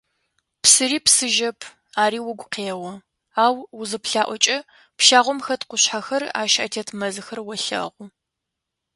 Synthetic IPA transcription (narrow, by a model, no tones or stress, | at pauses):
psɨɾiːpsɨʒɐpʰ | aːɾiːwʊɡʷʊqʰeːwɔ | aːwwʊzɨpɬaːʔʷɔt͡ʃʼɐ | pʃaːʁʷɔmxɐtqʷʊɕħaxɐra̰ːʃɐ̰tʰetʰmɐzɨxɐrwɔɬɐ̰ʁʷʊ